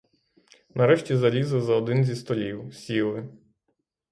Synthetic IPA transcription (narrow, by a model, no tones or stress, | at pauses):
nɐɾɛʃtʲizɐlʲizɐzɐɔd̪ɪnzʲist̪ɔlʲiwsʲilˠɪ